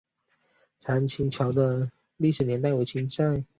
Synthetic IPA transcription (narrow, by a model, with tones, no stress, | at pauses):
t͡sʰa˧˥nt͡ɕʰi˧˥ŋt͡ɕʰjɑ˧˥ʊd̪ə˧ | li˥˩ʂɻ̩˨˩njɛ˧˥nt̪̬a˥˩ɪwe˧˥ɪt͡ɕʰi˧˥nt͡sa˥˧˩ɪ